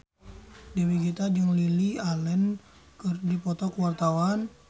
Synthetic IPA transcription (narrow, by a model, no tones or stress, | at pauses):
dewiɡit̪ad͡ʒəŋlilialɛn | kərdipɔt̪ɔkwart̪awan